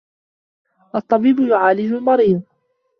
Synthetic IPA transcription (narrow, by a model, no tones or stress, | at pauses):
ʔɑt̪ˤːɑbiːbʊjʊʕaːlɪd͡ʒʊlmɑɾiːðˤ